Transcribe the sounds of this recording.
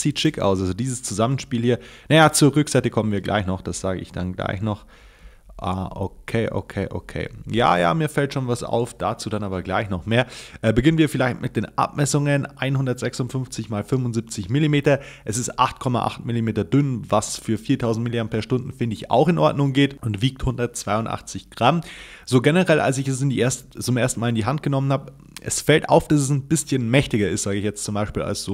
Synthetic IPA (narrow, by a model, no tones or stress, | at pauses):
z̥iːtʃɪka̰ʊs̬ʔalzodiːzəst͡suzamənʃpiːlhiːɐnajaːt͡suːɐʁʏkz̥aɪtəkʰɔmənviːɐɡlʔa̰ɪçnɔχd̥asz̥aːɡə̰ʔɪ̰çd̥anɡla̰ɪçnɔχ | ʔaːʔokʰeːʔo̰kʰeːʔo̰kʰḛːja̰ːja̰ːmiːɐfɛltʃoːnvasʔa̰ʊfd̥at͡suːdanʔaːbɐɡlaɪçnɔχmeːɐʔɛːbəɡɪnənviːɐfɪlaɪçtmɪt̚d̥eːnʔa̰pmɛsʊŋənʔʔa̰ɪnhʊndɐtz̥ɛksʊntfʏnft͡sɪçmaːlfʏnvʊnzip̚t͡sɪçmɪlimeːtɐʔɛsɪstʔa̰χt̚kʰɔma̰ʔa̰χtmɪlimeːtɐdʏnvasfyːɐfiːɐtʰaʊzn̩tmilianpʰɛɐʃtʊndn̩fɪndəɪça̰ʊxɪnʔɔɐdnʊŋɡeːtʊntv̥iːk̚thʊndɐt̚t͡sv̥aɪʊntʔa̰χt͡sɪçɡ̥ʁam | z̥oːɡɛnəʁɛlʔa̰ls̬ɪçɛs̬ɪndiʔeɐstt͡sʊmʔeːɐstn̩maːlɪndiːɦant̚ɡ̥ənɔmənhaːb | ʔɛ̰sfɛltʔa̰ʊfd̥as̬ɛs̬nbɪsçənmɛçtɪɡɐɪstz̥aːɡəɪçjɛt͡stt͡sʊmbaɪʃpiːla̰lsz̥oː